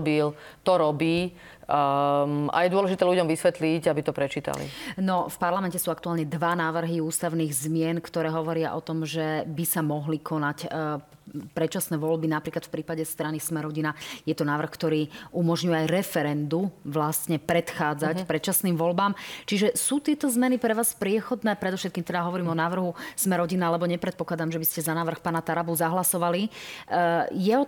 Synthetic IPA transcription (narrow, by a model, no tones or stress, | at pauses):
bil | t̪ɔɾɔbiː | a̰jɛd̪ʊɔlɛʒit̪ɛːluɟɔmʋisʋɛt̪liɟabit̪ɔpɾɛt͡ʃiːt̪a̰lḭnɔfpaɾlamɛncɛsuːakt̪uaːlɲɛd̪ʋanaːʋr̩ɦiuːst̪aʊniːɣzmɪɛnkt̪ɔɾɛːɦɔʋɔɾɪa̰ʔɔt̪ɔmʒɛbisamɔɦlikʰɔnac | pɾɛt͡ʃasnɛːʋɔlbinapɾiːklat̪fpɾiːpaɟɛst̪ɾanismɛɾɔɟinajɛt̪ɔnaːʋr̩xkt̪ɔɾiːumɔʒɲujɛajɾɛfɛɾɛnd̪uʋlast̪ɲɛpɾɛt̪xaːd͡zacpɾɛt͡ʃasniːmʋɔlbaːmt͡ʃiʒɛsuːt̪ɪɛt̪ɔzmɛnipɾɛʋaːspɾɪɛxɔd̪nɛːpɾɛd̪ɔfʃɛt̪kiːmt̪ɛd̪aɦɔʋɔɾiːmɔnaːʋr̩ɦusmɛɾɔɟinaalɛbɔɲɛpɾɛt̪pɔklad̪amʒɛbiscɛzanaːʋr̩xpaːnat̪aɾabuzaɦlasɔʋali | jɛɔ